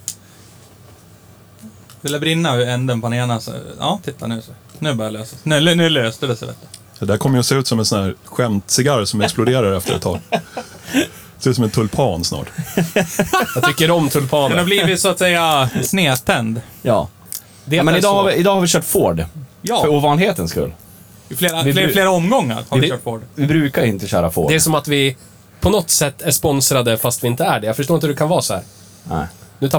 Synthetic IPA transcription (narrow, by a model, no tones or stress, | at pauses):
vɪljabɾɪnːaɛnd̪ənpʰaneːnasɔ̰ɑ̰ːt̪ʰɪt̪ːa̰nʉ̟ːsɛ | nʉ̟ːbœːɾjaløːsḁsnʉːnʉnʉ̟ːløːst̪əd̪ɛsɛ̰vɛ̰t̪ːə̥ | ɑd̪æɾkʰɔmːəjəɔseːʉt̪sɔmɛnsɔnæːɾɧɛmt̪sɪɡaɾsɔmɛksplʊd̪eːɾaɾɛft̪əɾɛ̰t̪ʰːɑ̰ː | seɛsɔmɛnt̪ʰɵlpʰɑːnsnɑ̰ːʈ | jɑt̪ʰʏkːəɾɔmt̪ʰɵlpʰɑːnanabliːvɪt̪sɔat̪sɛjːasneːt̪ʰɛnd̪jɑ̰ː | d̪ɛmɛnɪd̪ɑːhavɪʔɪd̪ɑːhaɾvɪɕœːʈfoːɖjɑfœɾuːvɑːnlɪheːt̪ənskɵ̰lː | ɪfleːɾaɪfleːɾaɔmɡɔŋːa̰ɾhaɾœːʈfoːɖvɪbɾʉ̟ːkajɪnt̪əɕœ̰ːɾafo̰ːɖdɛæʂɔmat̪vɪ | pʰɔnɔt̪ːsɛt̪ːæʂpɔnsɾad̪əfast̪vɪɪnt̪əæɖɛjɑːɡfœʂʈoːɾɪnhd̪ɛkʰanvɑːsɔhæːɾ | nɛ̰ɪnʉt̪ʰ